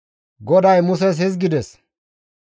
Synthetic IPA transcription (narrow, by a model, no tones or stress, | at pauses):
ɡɔd̪ɐjmʊsɛs̬hɪzɡɪd̪ɛs